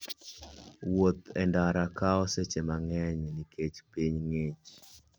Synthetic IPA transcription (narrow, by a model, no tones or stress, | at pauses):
wot̪ɛndaɾakaɔset͡ʃemaŋɛɲnikʰet͡ʃpiɲŋet͡ʃ